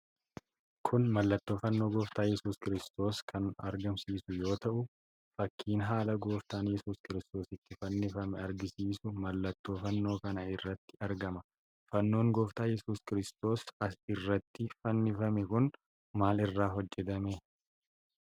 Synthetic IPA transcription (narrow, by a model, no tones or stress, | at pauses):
kʰʊnmɐlːɐt̪ːo̞ːfɐnːo̞ːɡɔːft̪aːjɛsuːskɪɾɪst̪o̞ːskʰɐnɐ̰ɾɡɐmsiːsʊjo̞ːt̪ɐʔʊ | fɐkʰːiːnɦaːlɐɡoːft̪aːnjɛsuːskɪɾɪst̪o̞ːsɪt̪ːɪfɐnːɪfɐmɛɐɾɡɪsiːsʊmɐlːɐt̪ːo̞ːfɐnːo̞ːkɐnɐɪrːɐt̪ːɪɐɾɡɐmɐ | fɐnːo̞ːŋɡoːft̪aːjɛsuːskɪɾɪst̪o̞ːsɐsɪrːɐt̪ːɪfɐnːɪfɐmɛkʊn | maːlɪrːaːɦɔd͡ʒːɛt̪ɐme